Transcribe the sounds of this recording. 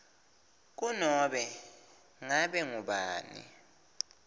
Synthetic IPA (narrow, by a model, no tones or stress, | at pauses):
k̬unɔɓɛ | ŋaɓɛŋuɓaːnḭ